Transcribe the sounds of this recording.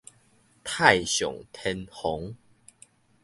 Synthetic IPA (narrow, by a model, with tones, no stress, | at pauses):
t̪ʰa˥˨jɕjɔ̰˨˩ŋt̪ʰɛ˧nhɔ˨˦ŋ